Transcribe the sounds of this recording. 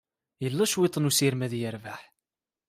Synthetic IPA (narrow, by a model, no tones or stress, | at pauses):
jəlːæʃwɪt̪ˤːnusiɾmæðjəɾvaħ